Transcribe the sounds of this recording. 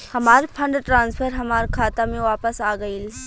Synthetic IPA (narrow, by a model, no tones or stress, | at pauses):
hɐmaːɾpʰɐ̃ɳɖʈɾãːnspʰəɾɦɐmaːɾkʰaːt̪amẽʋaːpəsaːɡɐil